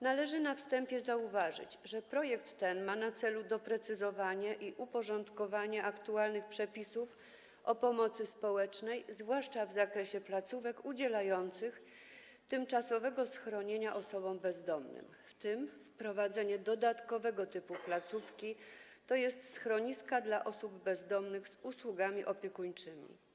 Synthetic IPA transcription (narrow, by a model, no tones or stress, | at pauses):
nalɛʐɘnafst̪ɛmpʲjɛzauvaʐɘ̰t͡ɕʐɛpɾɔjɛkt̪ːɛnmanat̪sɛlud̪ɔpɾɛt̪sɘzɔvaɲɛʔiʔupɔʐɔnt̪kɔvaɲɛakt̪ualnɘxpʂɛpʲisuf | ʔɔpɔmɔt̪sɘspɔwɛt͡ʂnɛjzvwaʂt͡ʂavzakɾɛɕɛplat̪suvɛkud͡ʑɛlajɔnt̪sɘx | t̪ɘmt͡ʂasɔvɛɡɔsxɾɔɲeɲaʔɔsɔbɔ̃mbɛzd̪ɔmnɘ̰mft̪ɘmfpɾɔvad̪zɛɲɛd̪ɔd̪at̪kɔvɛɡɔt̪ɘpuplat̪sufkʲi | t̪ɔjɛst̪sxɾɔɲiskad̪laʔɔsubbɛzd̪ɔmnɘɣz̥uswuɡamʲiʔɔpʲjekuɲt͡ʂɘmʲḭ